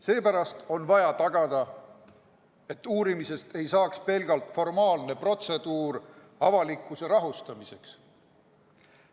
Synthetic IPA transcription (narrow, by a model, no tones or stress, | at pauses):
se̞ːpæɾɑst̪o̞nvɑjɑt̪ɑɡ̥ɑd̪̥ɑ | e̞t̪ːˑuːɾimise̞st̪e̞jsɑːkspe̞lɡ̥ɑlt̪fo̞rmɑːlne̞pro̞t̪se̞d̪̥uːr | ɑvɑlikːˑuse̞ɾɑɦust̪ɑmise̞ks